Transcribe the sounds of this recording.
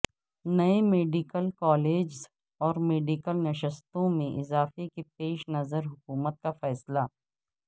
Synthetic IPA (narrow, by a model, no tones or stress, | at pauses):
nɐemeːɖɪkəlkɔːleːd͡ʒz | ɔːɾmeːɖikəlnɐʃəst̪õmẽʔɪzaːfekepeːʃnɐzəɾɦʊkuːmət̪̚kafɛːsla